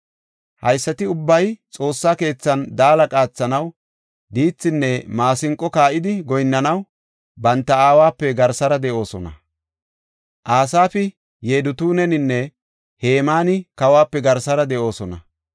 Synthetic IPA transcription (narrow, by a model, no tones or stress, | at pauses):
hɐjsːɐt̪ɪʊbːɐjt͡sʼo̞ːsːaːke̞ːt͡sːɐnd̪aːlɐkʼaːt͡sːɐnɐw | d̪iːt͡sːɪnːɛmaːsɪŋkʼːɔkaːʔɪd̪ɪɡɔjnːɐnɐw | bɐnt̪ːɐaːwaːpːɛɡɐɾsɐɾɐd̪ɛʔo̞ːsɔnɐ̰ | ʔaːsaːfɪ | je̞ːd̪ʊt̪uːnɛnɪnːɛ | he̞ːmaːnɪkɐwaːpːɛɡɐɾsɐɾɐd̪ɛʔo̞ːsɔnɐ